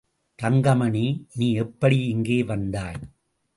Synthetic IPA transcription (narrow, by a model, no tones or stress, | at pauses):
t̪ɐŋɡɐmɐniniːɛpːɐɽiɪŋɡeːʋɐnd̪aːj